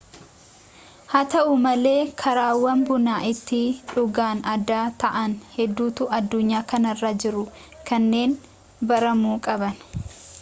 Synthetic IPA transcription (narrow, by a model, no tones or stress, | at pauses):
hɐt̪ɐʔʊmɐle̞ːkʰɐɾaːwɐnbʊnaːʔɪt̪ːɪᶑʊɡaːnɐd̪aːt̪ɐʔɐnhɛd̪ːuːt̪ʊʔɐd̪ːʊɲːaːkɐnɐrːad͡ʒɪɾʊ | kɐnːe̞ːn | bɐɾɐmuːkʼɐbɐn